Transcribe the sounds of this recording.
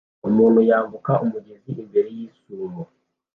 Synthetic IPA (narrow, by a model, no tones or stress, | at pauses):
umuːnhujaːɱvukaʔumuɟe̞ziʔembeɾejiːsuɾo